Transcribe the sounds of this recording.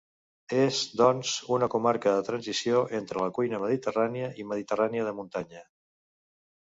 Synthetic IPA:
ezd̪ɔnzunəkumaɾkəðət̪ɾənzisioʔent̪ɾələkujnəməðit̪əraniəʔiməðit̪əraniəðəmunt̪aɲə

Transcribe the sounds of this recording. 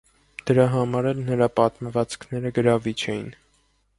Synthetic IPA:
d̪̥əɾɑɦɑmɑɾɛlnəɾɑpɑt̪məvɑt͡sʰkʰnɛɾəɡəɾɑvit͡ʃʰɛjḭn

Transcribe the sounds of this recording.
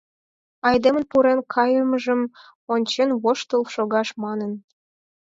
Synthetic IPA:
ɑjd̪emə̆npuɾenkʰɑjəməʒə̆m | onʲt͡ɕenβoʃt̪əlˠʃoɣɑʃmɑnə̆n

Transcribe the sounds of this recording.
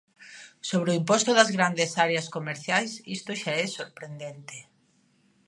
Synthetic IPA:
soβɾeoimpɔst̪ʊðɐzɣɾand̪esaɾeɐskomeɾθjajsist̪oʃaɛsoɾpɾend̪ent̪e

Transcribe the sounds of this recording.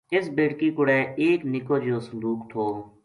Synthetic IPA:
ɪsbeːɽkiːkʊɽɛːeːknɪkoːd͡ʒoːsʊnd̪uːkt̪ʰoː

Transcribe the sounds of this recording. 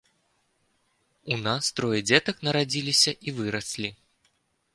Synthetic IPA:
unast̪ɾɔjɛd͡zʲɛt̪ɐknɐɾad͡zʲilʲisʲɐʔivɨɾɐsʲlʲi

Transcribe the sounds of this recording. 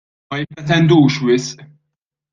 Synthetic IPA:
mɐjɪpːɾɛt̪ɛnd̪uːʃwɪsʔ

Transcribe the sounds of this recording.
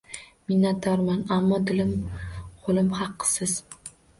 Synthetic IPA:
minːat̪ːɒɾmɑnamːɒd̪ɪlɪmqolˠɪmχɑqːɨ̥sɪz̥

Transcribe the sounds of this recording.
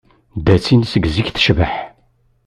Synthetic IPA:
d̪æt͡sːinsəɡziçθə̥ʃvəħ

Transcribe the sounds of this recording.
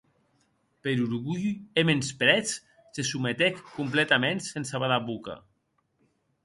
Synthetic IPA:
peɾuɾɣuʎemenspɾɛt͡s | sesumet̪ekkːumplet̪amensensaβaðaβuka̰

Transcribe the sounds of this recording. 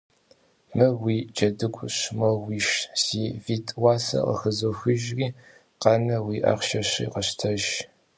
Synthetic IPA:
mɨwiːd͡ʒɐdɨkʷʼɕmɐwiːʃsiːviːtʼwaːsɐ̰qə̰xɨzoxɨʒriː | qɑnɐwiːʔɐ̰χʃɐɕḭqəɕtʰɐʒ

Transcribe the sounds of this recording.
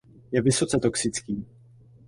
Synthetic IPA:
jɛvɪso̞t͡sɛt̪o̞ksɪt͡skiː

